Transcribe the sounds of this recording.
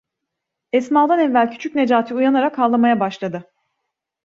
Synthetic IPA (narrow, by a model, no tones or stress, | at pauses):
ɛsmalˠd̪anɛvvælʲcʰy̥t͡ʃʰycʲne̞d͡ʒaːt̪ʰɯujanaɾakalˠːamajabaʃlˠad̪ɯ